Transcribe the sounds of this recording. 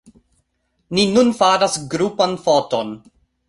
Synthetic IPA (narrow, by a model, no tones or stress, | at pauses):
ninunfaɾasɡɾupanfoton